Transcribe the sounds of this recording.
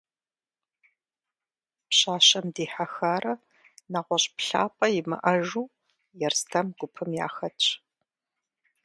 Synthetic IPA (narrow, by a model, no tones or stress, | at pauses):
pɕaːɕɐmdiːħaxaːɾɐ | naːʁʷɔɕʼpɬa̰ːpʼɐjɪmɨ̰ʔɐʒuː | jɛrstʰɐmɡ̥ʷʊpʰɨmja̰ːxɐtʼ